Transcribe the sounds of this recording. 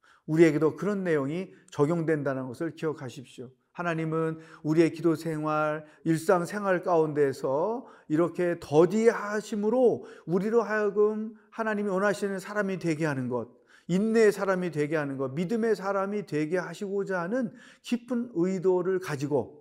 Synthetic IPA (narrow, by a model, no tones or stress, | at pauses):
uɾie̞ɡe̞dokɯɾʌnːe̞joŋit͡ɕʌɡjoŋdwe̞ndanɯnɡʌsʰɯɭkiʌkʰaɕʰip̚ɕ͈jo | hanaɲimɯnuɾie̞kidosʰe̞ŋwaɾ | iɭs͈aŋsʰe̞ŋɦwaɭk͈aunde̞sʰʌiɾʌkʰe̞tʌdiɦaɕʰimɯɾouɾiɾoɦajʌɡɯmhanaɲimiwʌnɦaɕʰinɯnsʰaɾamitwe̞ɡe̞ɦanɯnɡʌd̚ | inːeːsʰaɾamitwe̞ɡeɦanɯnɡʌt̚midɯme̞sʰaɾamitwe̞ɡe̞ɦaɕʰiɡod͡ʑanɯn | kipʰɯnɯidoɾɯɭkad͡ʑiɡo